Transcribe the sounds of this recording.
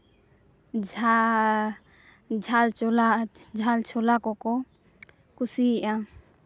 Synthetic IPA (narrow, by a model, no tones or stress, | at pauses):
d͡ʒʱa | d͡ʒʱalt͡ʃolad͡ʒʱalt͡ʃʰolakɔkɔ | kusiã